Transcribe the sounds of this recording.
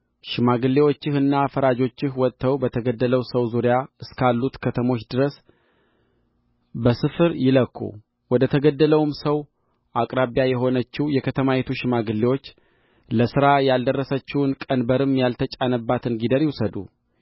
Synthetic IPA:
ʃɪmaɡɨlːewo̞t͡ʃːɪhɨnːafəɾad͡ʒo̞t͡ʃːɪhwɔt̪ːəwbət̪ʰəɡəd̪ːələwsəwzuɾjaɨskalːut̪kʰət̪ʰəmo̞t͡ʃːd̪ɨɾəs | bəsɨfɨɾjɪləkːṵ | wɔd̪ət̪ʰəɡəd̪ːələwmsəw | ʔakʼɾaβjajɛɦo̞nət͡ʃːiwjɛkʰət̪ʰəmajɛt̪ʰuʃɪmaɡɨlːewo̞t͡ʃː | ləsɨɾajald̪ərːəsət͡ʃːɪwɨnkʼənbəɾɨmjalt̪ʰət͡ʃʼanəbːat̪ʰɨnɡid̪əɾjɪwusəd̪ṵ

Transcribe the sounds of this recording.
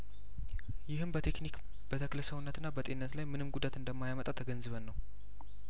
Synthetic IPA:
jɪhɨmbət̪ʰe̞knik | b̥ət̪ʰəkləsəwunːət̪ɨnːabət̪ʼenːət̪lajmɨnɨmɡud̪at̪ɨnd̪əmːajamət̪ʼat̪ʰəɡənzɨβənːəw

